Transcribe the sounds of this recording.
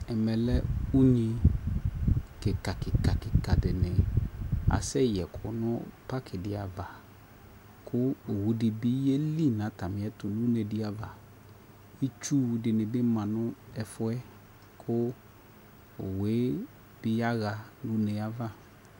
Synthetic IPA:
ɛ˨mɛ˨lɛ˦u˦ɲi˧ | kɪ˨ka˨kɪ˨ka˨kɪ˨ka˨dɪ˨nɪ˨ | a̰˨sɛ˦jɛ˨kʰʊ̰˨nʊ˦pa˦kʰɪ˨dɪ˧a˨va˨ | kʰʊ˦o˨wu˨˦dɪ˨bi˦e˦li˦˨nã˨˦ta˨mɪ˨˦ɛ˦tʊ˨nu˦ne˧dɪ˦a˨va˨ | i˦t͡ʃu˦˧dɪ˨nɪ˨bɪ˦mã˨nʊ˦ɛ˧fʊ˦ɛ˦ | kʰʊ˦ | o˨we˨˦ | b̥ɪ˦a˦ɣa˧nũ˦ne˧a˦va˦

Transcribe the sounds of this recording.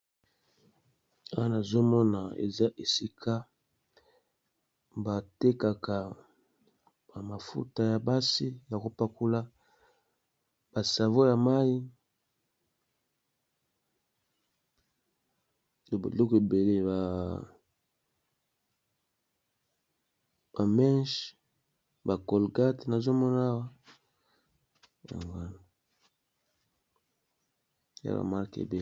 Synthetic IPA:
a˦wa˦na˨zo˦mɔ˦na˨ḛ˨za˦ʔe˨si˦kʰa˦ | ba˨te˦ka˨ka˨ | ba˨ma˨fṵ˦ta˨ja˨ba˦si˦ja˨ko˦pa˦ku˦la˦ | ba˨sa˨vo˦ja˨ma˦i˦ | o˨ba̰˨lo˦ke˨be˨le˦ba˨ | ba˨mɛ˦ʃ | ba˨kɔ˨lɡa˦te˨na˨zo˦mɔ˦n˦a˦wa˦ | ja̰˨ŋɡa˦na˨ | ja̰˨ba̰˨ma˦˨kḛ˨be˨

